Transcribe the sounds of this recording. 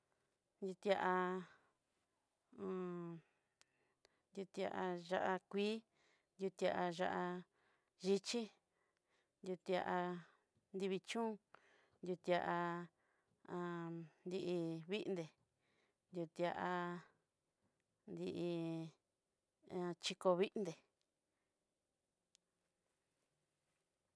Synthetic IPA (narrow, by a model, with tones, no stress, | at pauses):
nd̪ʲu˧t̪i˧a˧ʔa˧ | ã˧ | nd̪ju˧t̪a̰˧ʔa˧ʒa˦˧ʔa˧kʷiː˦ | nd̪ʲju˧t̪i˧a˧ʔa˧ʒa˧ʔa˧ | ʒi˧t͡ʃi˦ | nd̪ʲju˧t̪a˧ʔa˧ | nd̪i˧βi˧t͡ʃũː˦ | nd̪ʲju˧t̪i˧a˧ʔa˧ | ã˧nd̪i˧ʔi˧βi˦ʔnd̪e˨ | nd̪ju˧t̪i˧a˧ʔa˧ | nd̪i˧ʔi˧ | a˧t͡ʃi˧ko˧βi˦ʔnd̪e˨